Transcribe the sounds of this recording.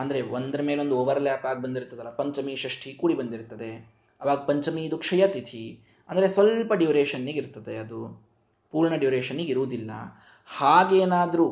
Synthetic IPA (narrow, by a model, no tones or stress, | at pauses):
ɐnd̪ɐɾe̞ond̪ɐɾɐmeːleo̞nd̪uɔʋɐɾljaːpaːɡ̚bɐnd̪iɾt̪ːɐd̪ɐlːɐpɐɲt͡ʃɐmiʃɾɐʂʈʰikuːɽibɐnd̪iɾt̪ːɐd̪e̞ | ɐʋaːɡɐpɐɲt͡ʃɐmiːd̪ukʂɐjɐt̪it̪ʰi | ɐnd̪ɐɾesʋɐlpɐɖjuːɾeːʃɐnːiɡiɾt̪ːɐd̪e̞ɐd̪u | puːɾɳɐɖijuːɾeːʃɐnːiɡiɾuʋud̪ilːɐ̰ | haːɡeːnaːd̪ɐɾu